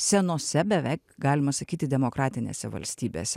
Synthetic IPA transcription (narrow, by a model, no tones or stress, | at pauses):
sʲɛnoːsʲɛbʲɛʋʲɛɪkɡɑːlʲɪmɐsɐkʲiːt̪ʲɪd̪ʲɛmoːkɾɑːt̪ʲɪnʲḛːsʲɛʋɐ̰lʲsʲt̪ʲiːbʲḛːsʲɛ